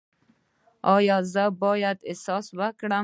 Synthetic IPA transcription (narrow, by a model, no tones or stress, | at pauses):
ɔjɔzəbɔjad̪ɪsɔswəkɽa